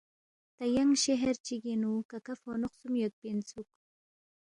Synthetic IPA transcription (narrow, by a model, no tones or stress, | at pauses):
t̪ajaŋʃeɦeɾt͡ʃiɡinukakafonʊχsumjot̪̚pint͡suk